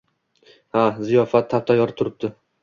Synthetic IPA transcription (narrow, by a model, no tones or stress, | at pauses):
hazijɒfat̪ʰːapt̪ʰajɒɾt̪ʰʊɾɪp̚d̪̥ɪ